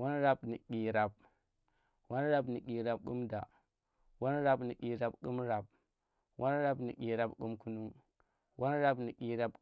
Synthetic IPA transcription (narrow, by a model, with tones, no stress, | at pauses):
wa˦nɾa˦bni˨kʲi˨ɾa˨b̚ | wa˦nɾa˦bni˨ki˨ɾa˨b̚ku˦mda˨ | wa˦nɾa˦bni˨kʲi˨ɾa˨bku˦mɾa˨b̚ | wa˦nɾa˦bni˨kʲi˨ɾa˨bkṵ˦mku˦nu˦ŋ | wa˦nɾa˦bni˨kʲi˨ɾa˨b̚